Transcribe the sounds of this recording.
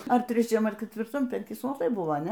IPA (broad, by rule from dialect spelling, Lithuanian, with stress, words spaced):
ɐr tʲrʲɛˈt͡ʃʲɛm ɐr kʲɛtʲʋʲɪrˈtɐm pʲɛŋʲˈkʲɪ suɔˈlˠɐɪ bʊˈʋɐ ɐ ˈnʲɛ